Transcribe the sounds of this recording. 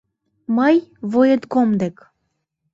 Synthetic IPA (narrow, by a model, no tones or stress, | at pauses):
məjvojət̪komd̪ek